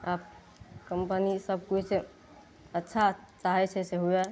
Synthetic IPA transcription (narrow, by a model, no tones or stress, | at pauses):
aːp̚ | kəmpənisəb̚ʱkuse | ətːʃʰat͡ʃaɦɛt͡ʃʰɛseɦuɛ